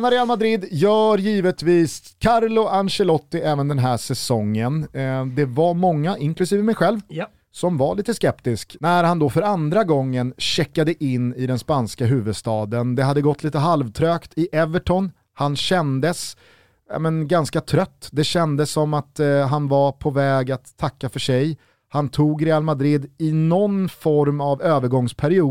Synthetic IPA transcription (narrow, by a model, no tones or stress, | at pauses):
naɾɛalmad̪ɾɪd̪jœːɾjiːvət̪viːs | kʰaɾlʊanɕɛlɔt̪ːɪʔɛːvənd̪ɛnɦæːʂɛsɔŋːənd̪ɛvaɾmɔŋːaʔɪŋklɵsiːvəmɛjɧɛlv | sɔmvaɭiːt̪əskɛpt̪ɪsknæɾhand̪ɔfœɾand̪ɾaɡɔŋːənɕɛkːad̪əʔɪnːɪd̪ɛnspanskaɦʉ̟ːvɵd̪st̪ɑːd̪ənd̪ɛɦad̪ːəɡɔt̪ːliːt̪əɦalvt̪ʰɾøːkt̪ʰɪʔɛvəʈʰɔn | hanɕɛnd̪əs | ja̰mɛnɡanskat̪ʰɾœt̪ːd̪ɛɕɛnd̪əsːɔmːat̪ɦanvapʰɔvɛːɡat̪ʰːakːafœʂɛj | hant̪ʰuːɡɾɛːalmad̪ɾɪd̪ɪnɔnfɔɾmavøːvəɾɡɔŋspʰæɾɪuː